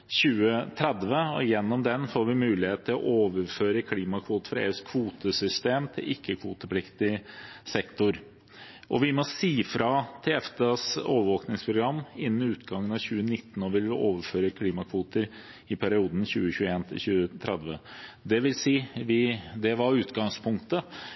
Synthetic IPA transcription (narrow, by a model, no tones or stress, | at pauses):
ɕʉːət̪ʰɾɛd̪ʋəɔjɛnːɔmd̪ɛnfoːɾʋɪmʉːlɪheːt̪t̪ʰːɪlɔ̰ʔoːʋəɾføːɾəkʰliːmɑkʰʋuːt̪ə̥fɾɑḛːʉskʰʋuːt̪əsʏst̪eːmt̪ʰɪ̰lʔɪkʰːəkʰʋuːt̪əpʰlɪkt̪ɪsɛkt̪ʊɾ | ʔɔ̰ʋɪmɔsiːfɾɑt̪ʰɛɛfd̪əso̰ːʋəɾʋoːknɪŋspʰɾʊɡɾɑmːɪnːənɪʉːt̪ɡɑŋːənɑʋçʉːənɪt̪ːn̩ɔʋɪlʋɪʔoːʋəɾføːɾəkʰliːmɑkʰʋuːt̪əɾ | ɪpʰæɾɪuːd̪n̩çʉːəɕʉːəeːnt̪ʰɪ̰lçʉːət̪ʰɾɛd̪ʋə̰d̪ɛʋɪlsiːʋɪd̪ɛʋɑɾʉːt̪ɡɑŋspʰʊŋkt̪ə